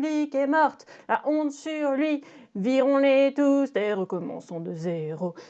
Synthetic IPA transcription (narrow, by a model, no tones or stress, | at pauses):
likɛmɔʁt̪laʔɔ̃t̪syʁlɥiviʁɔ̃let̪ust̪eʁəkɔmɑ̰̃sɔ̃d̪əzeʁo